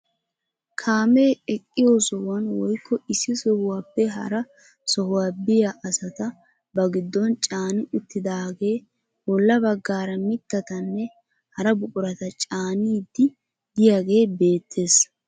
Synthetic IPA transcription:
kʰaːmeːɛkʼːɪjo̞ːsɔwɐnwɔjkːɔɪsːɪsɔhʊwaːpːɛɦɐ̰ɾɐ | sɔhʊwaːbɪjaʔɐsɐt̪ɐ | bɐɡɪd̪ːɔnt͡ʃʼaːnɪʔɪt̪ʰːɪd̪aːɡe̞ː | bɔlːɐbɐɡːaːɾɐmɪt̪ːɐt̪ɐnːɛ | hɐɾɐbʊkʼʊɾɐt̪ɐt͡ʃʼaːniːd̪ɪ | d̪ɪjaːɡe̞ːbe̞ːt̪ʰːe̞ːs

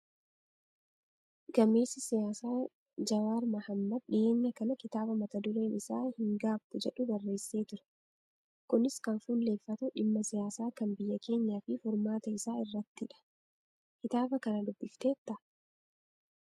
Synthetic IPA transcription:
ɡ̥ɐmːe̞ːsɪsɪjaːsaː | d͡ʒɐwaːɾmɐhɐmːɐd̪̚ᶑɪe̞ːɲːɐkɐnɐkɪt̪aːbɐmɐt̪ɐd̪ʊleːnɪsaːhɪŋɡaːbt̪ɛd͡ʒɛᶑʊbɐrːe̞ːsːeːt̪ʊɾɛ̥ | kʊnɪskɐnfuːlːe̞ːfːɐt̪ʊᶑɪmːɐsɪjaːsaːkɐnbɪjːɐke̞ːɲːaːfɪfʊɾmaːt̪ɐɪsaːɪrːɐt̪ːɪᶑɐ̥ | kɪt̪aːbɐkɐnɐd̪ʊbːɪft̪e̞ːt̪ːɐ

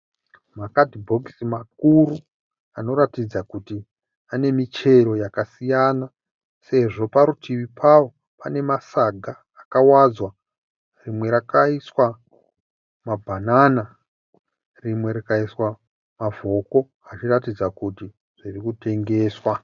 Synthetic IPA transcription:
makadʱibʱo̞ksimak̚uɾu | ano̞ɾatid͡zakuti | ane̞mit͡ʃe̞ɾo̞jakasijana | se̞ʐo̞paɾutʰiʋipʰawo̞ | pane̞masaɡʱaːkawad͡zwa | rimwe̞ɾakaiswa | mabʱanana | rimwe̞ɾakaiswa | mavo̞ko̞ | at͡ʃiratid͡zakuti | ʐ̥irikute̞ŋɡe̞ːswa

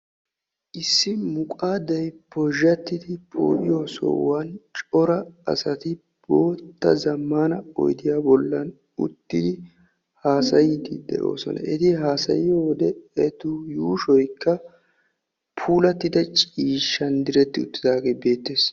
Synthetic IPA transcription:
ʔɪsːɪmʊkʼaːd̪ɐjpɔʒːɐt̪ːɪd̪ɪpʰo̰ːʔɪjoso̰ːwɐnt͡ʃʼɔɾɐɐ̰sɐt̪ɪ | b̥oːt̪ːɐ̰zɐmːaːnɐɔ̰jd̪ɪjaːbɔlːɐn | ʊ̰t̪ːɪd̪ɪ | haːsɐjɪt̪ɪ̰d̪ɛ̰ʔo̞̰ːsɔ̰nɐ̰ʔɛt̪ɪɦaːsɐ̰jɪjoːd̪ɛɛt̪ʊjuːʃɔjkːɐ | pʰuːlɐt̪ːɪd̪ɐt͡ʃʼiːʃːɐnd̪ɪɾɛt̪ːɪʊt̪ːɪd̪aːɡeːbe̞ːt̪ːeːs

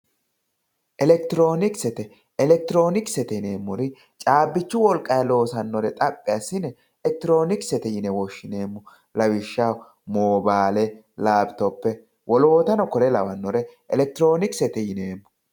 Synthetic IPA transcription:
ʔɛlɛk̚t̪ɪɾo̞ːnɪksɛt̪ɛ | ɛlɛk̚t̪ɪɾo̞ːnɪksɛt̪ɛne̞ːmːʊɾɪ | t͡ʃʼaːbːɪt͡ʃːʊwɔlkʼɐjɐlo̞ːsɐnːɔɾɛt̪ʼɐpʼːɪɐsːɪnɛ | ɛk̚t̪ɪɾo̞ːnɪksɛt̪ɛjɪnɛwɔʃːɪne̞ːmːʊ | lɐwɪʃːaw | moːbaːlɛ | laːbt̪ɔpːɛ | wɔloːt̪ɐnɔkɔɾɛlɐ̰wɐnːɔɾɛʔɛlɛk̚t̪ɪɾo̞ːnɪksɛt̪ɛjɪne̞ːmːʊ̥

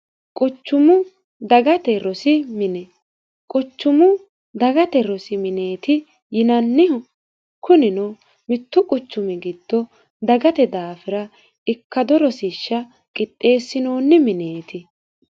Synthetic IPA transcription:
kʼʊt͡ʃːʊmʊ | d̪ɐɡɐt̪ɛɾɔsɪmɪnɛ | kʼʊt͡ʃːʊmʊ | d̪ɐɡɐt̪ɛɾɔsɪmɪneːt̪ɪ | jɪnɐnːɪhʊ | kʊnɪno | mɪt̪ːʊkʼʊt͡ʃːʊmɪɡɪd̪̥ːɔ | d̪ɐɡɐt̪ɛd̪aːfɪɾɐ | ɪkːɐd̪ɔɾɔsiːʃːɐ | kʼɪt̪ʼːe̞ːsːɪnoːnːɪmɪneːt̪ɪ

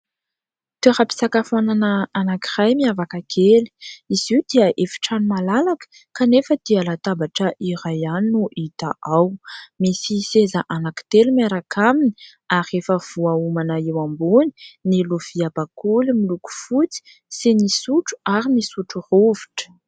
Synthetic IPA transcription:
t̪eɾapi̥sakafananəanaki̥rajmiavakakʰeli̥iziwd̪iəʔefi̥ʈ͡ʂanimalalakə̥ | kanefəd̪̥ialat̪abaʈ͡ʂəʔiɾajaninuʔit̪aʔawmisisezaʔanaki̥t̪elimaɾakʰamini̥ | aɾiefəv̥uaumanəewamboni̥niluv̥iabakulimiluku̥fut͡si̥ | sinisuʈ͡ʂu̥aɾimisuʈ͡ʂuroviʈ͡ʂə̥

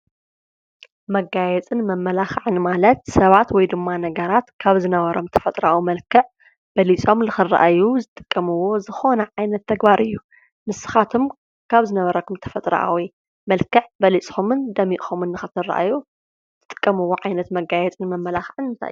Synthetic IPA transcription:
mɐɡajɛt͡sʼɨnmɐmːɐlaxʕɨnmalɐt̪sɐβat̪wɔjd̪ɨmːanɐɡɐɾat̪kʰaβzɨnɐβɐɾo̞mt̪ʰɐ̥fɐt̪ʼɾawimɐlkʰɨʕ | b̥ɐlit͡sʼo̞mnɨxɨrːa̰ʔajuzɨt̪ʼɨ̥kʼːɐmɨwo̞zɨxo̞nɐʕajnɐt̪ʰːɐɡbaɾʔɨjːu | mɨsɨ̥xat̪ʰom | kʰaβzɨnɐβɐɾɐkʰumt̪ʰɐ̥fɐt̪ʼɾɐ̰ʔa̰wi | mɐlkɨʕbɐlit͡sʼxumɨnd̪ɐmiʔxomɨnːɨxɨt̪ʰɨrːa̰ʔa̰ju | ɨɨ̥t̪ʼɨ̥kʼːɐmɨwːoʕajnɐt̪mɐɡajɛt͡sʼɨnmɐmːɐlaxʕɨnɨnt̪ʰa̰ʔj

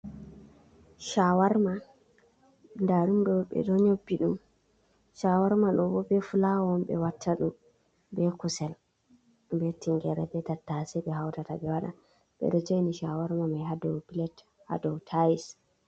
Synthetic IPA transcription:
ʃawaɾma | ndaɗumɗɔɓɛ̰ɗɔɲobːiɗum | ʃawaɾmaɗɔbɔbɛfulawɔmɓɛ̰watʰːaɗum | bɛkusɛl | mbetːiŋɡɛɾɛbɛtatːasɛɓɛɦawtataɓɛwaɗa̰ | ɓɛ̰ɗɔd͡ʒejniʃawaɾmamajhadɔwpilɛt | ha̰dɔwtʰajis

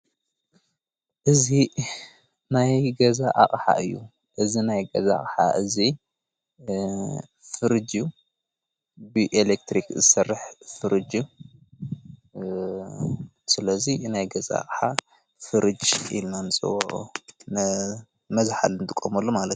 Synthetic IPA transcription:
ʔɨzi | najɡɐzaʔaχʼħa̰ʔɨjːu | ʔɨzinajɡɐzaa̰χʼħa̰ʔɨzi | fɨɾɨd͡ʒju | bɨʔelek̚t̪ɾikzɨsɐrːɨħfɨɾɨd͡ʒu | sɨlɐzinajɡɐza̰a̰χʼħa | fɨɾɨd͡ʒḭlnanɨsʼɨ̰wɐ̰ʔʼun | mɐzħalɨnd̪ʰɨkʼːomɐlːomalɐt̪

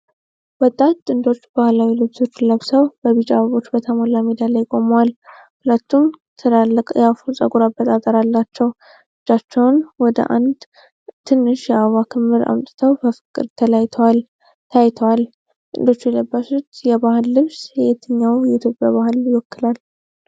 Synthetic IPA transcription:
wɔt̪ʼːat̪ːɨnd̪o̞t͡ʃːbahlawilɨβso̞t͡ʃːləβsəwbəβit͡ʃʼa̰βəβo̞t͡ʃːbət̪ʰəmolamid̪alajkʼo̞məwal | hulət̪ʰːumt̪ʰɨlalʼjafusʼə̰ɡʼuɾabːət̪ʼat̪ʼəɾalːat͡ʃːɛw | ʔɨd͡ʒat͡ʃːɛwnwɔd̪ə̰ʔa̰nd̪ | t̪ʰɨnːɨʃjɛaβakʰɨmːɨɾa̰mt̪ʼɨt̪ʰəwbəfɨ̥kʼːɨ̰ɾt̪ʰəlajt̪ʰəwal | t̪ʰajt̪ʰəwal | t̪ʼɨnd̪o̞t͡ʃːjɛləbːasut̪jɛbahɨlːɨβsjɛjɛt̪ʰːəɲːawjɛɪt̪ʰjo̞pʼjaβahɨljɪwɔkːɨlal

